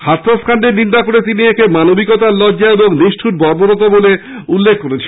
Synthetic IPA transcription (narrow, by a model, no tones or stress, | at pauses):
hat̪ːɾaskʰanɖeɾnind̪akoɾet̪̬iniekemanobikot̪alɔdːaeboŋniʃʈʰuɾbɔɾboɾɔt̪̬obole | ulːekʰːoɾet͡ɕʰi